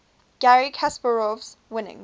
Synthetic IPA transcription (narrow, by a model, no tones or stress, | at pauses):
ɡ̥æɹikʰaspəɹɔvz̥ | wɪ̃nɪ̰̃ŋ